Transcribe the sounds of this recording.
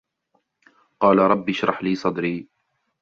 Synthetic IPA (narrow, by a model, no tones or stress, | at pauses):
qɑːlaɾˤɑbːɪʃɾˤɑħliːsˤɑd̪ɾiː